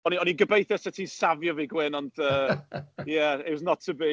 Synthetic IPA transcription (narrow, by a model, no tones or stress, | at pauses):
ɔniɔniɡəbejθɛsɛtʰisavjɔviɡwɪnɔnd̥əːjæɪtwɔznɔtʰəbi